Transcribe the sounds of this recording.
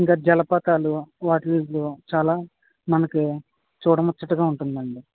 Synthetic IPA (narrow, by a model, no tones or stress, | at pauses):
iŋkaːd͡ʒɐlɐpɐt̪aːluʋaːʈiliːzloːt͡ʃaːlaː | mɐnɐki | t͡ʃuːɽɐmɔt͡ʃːɐʈuɡaːuɳʈund̪ɐɳɖi